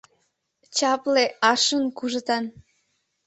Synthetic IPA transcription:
t͡ɕɑpleɑʃənkuʒət̪ɑn

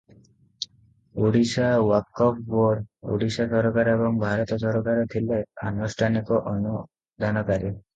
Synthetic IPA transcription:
oɽiʃawakːɔp̚boɖo̰ɽisasɔɾɔkaɾebɔŋbʱaɾɔt̪ɔʃɔɾɔkaɾɔt̪ʰileanusʈʰanikɔʔɔnu | d̪ʱanɔkaɾi

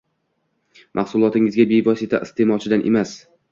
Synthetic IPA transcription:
mʔahsʊlˠɒt̪ɪŋɪzɡʲabevɒsɪt̪ʰa̰ʔɪst̪ʰe̞mɒt͡ʃʰɪd̪anʔḛmas

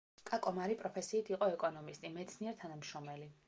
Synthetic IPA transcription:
kʼakʼɔmaɾipʼɾɔpʰɛsiːt̪ʰiqʼɔɛkʼɔnɔmist̪ʼimɛt̪sʰniɛɾt̪ʰanamʃɔmɛli

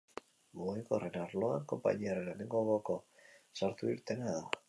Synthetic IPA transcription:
mojko̞renaɾlo̞aŋko̞mpa̰ɲiareneneŋɡoβoko̞saɾt̪uiɾt̪e̞naða

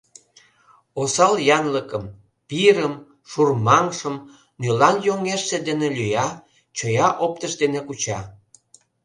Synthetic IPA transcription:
osɑljɑnləkəm | piɾəm | ʃurmɑŋʃəm | nylɑnjoŋeʃːed̪enelyjɑ | t͡ɕojɑʔop̚t̪əʃd̪enekut͡ɕɑ

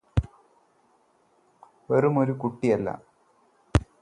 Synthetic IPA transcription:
ʋɐrumo̞ɾukuʈːijɐlːɐ̰

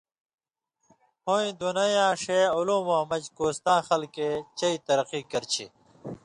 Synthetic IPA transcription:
hoĩd̪unɐjãːʂeulũːmoːmɐd͡ʑkoːst̪ãːxɐlket͡ɕɐit̪ɐɾɐqikɐɾt͡ɕʰḭ

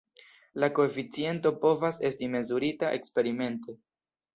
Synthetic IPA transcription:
lako̞efit͡sie̞nto̞po̞vase̞stime̞zuɾitaʔe̞kspe̞ɾime̞nte̞

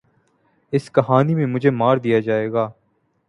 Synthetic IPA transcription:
ɪskɐɦaːnimẽmʊd͡ʒʱeːmaːɾd̪ijad͡ʒaːeːɡaː

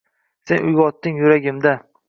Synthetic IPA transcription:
se̞nʊjɡʲɒt̪ːɪŋjʊɾaɡʲɪmd̪a

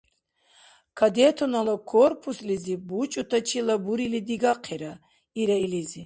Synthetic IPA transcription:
kʰad̪ɛt̪ʰɔnalakʰɔrpʰuslizibut͡ʃʼut̪ʰat͡ʃʰilabuɾilid̪iɡaqʰɛɾa | iɾailizi

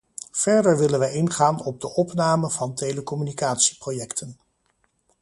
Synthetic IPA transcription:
v̥ɛɹdəɹʋɪlənʋəɪnχaːnɔb̚dəʔɔpnaːməvɑntejləkɔmynikaːtsi̥projɛktʰən

